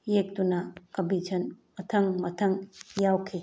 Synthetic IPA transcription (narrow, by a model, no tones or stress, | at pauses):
jek̚dunɐkɐbid͡ʒʰɐnmɐtʰɐŋmɐtʰɐŋjawkʰi